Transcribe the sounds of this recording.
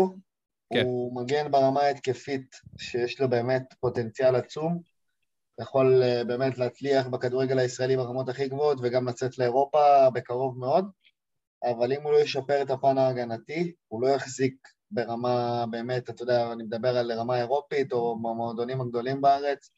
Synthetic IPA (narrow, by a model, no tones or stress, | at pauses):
umaɡe̞nbeʁamaet̪ke̞fitʃejeʃlo̞be̞ːme̞tpo̞te̞nt͡sialat͡sum | jaχo̞lbe̞ːme̞tleːt͡sliaχbekad̪uʁeɡe̞laisʁae̞libaʁamo̞taχiɡvootveɡamlat͡setle̞eʁo̞pabe̞kaʁo̞vme̞o̞d | avalimulo̞jeʃapeʁetapanaːɡanati | ulo̞jaχzik̚ | be̞ʁamabe̞ːme̞tat̪od̪eaːnimed̪abe̞ʁalʁamaeʁo̞pito̞mamoːd̪onimaɡd̪o̞limbaaʁe̞t͡s